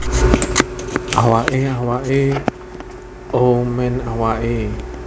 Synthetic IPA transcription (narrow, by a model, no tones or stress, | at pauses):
ʔawaʔeawaʔe | omɛnawaʔe